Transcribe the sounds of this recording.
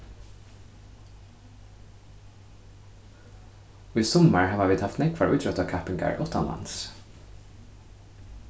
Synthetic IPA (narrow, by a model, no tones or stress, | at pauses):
oːiːsɔməɹhɑːʋaʋiːd̪hɑft̪nɛkʰʋɑɹʉːt̪ɹœt̪ɑːkʰæpɪŋɡɑ̰ɹʔɔt̪ɑ̰nɑ̰ns